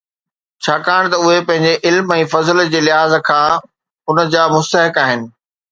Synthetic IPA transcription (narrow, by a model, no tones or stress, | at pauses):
t͡ɕʰaːkaːɽ̃t̪ɐʊɦepɐ̃ɦɪ̃ɲd͡ʑeʔɪlmɛ̃ːfɐzəld͡ʑeːlɪɦaːzkʰãː | ʊnəd͡ʑaːmʊst̪əɦɪkaːɦɪnɪ̆